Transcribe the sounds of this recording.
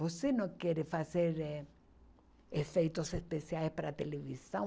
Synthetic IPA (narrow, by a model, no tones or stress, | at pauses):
vosenɐ̃wkɛɾɪfazeɾɛ | efejt̪osespesiajspaɾat̪elevisɐ̃